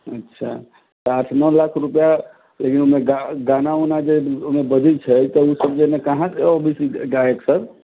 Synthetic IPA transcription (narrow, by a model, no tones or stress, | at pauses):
ətːʃʰa̰ | t̪aʈʰnəlakʰɾupja | lekinumeɡaɡanaunad͡ʒeomebəd̪ʱit͡ʃʰəjt̪əusəbd͡ʒenakəɦãseɔbisiɡaeksəɾ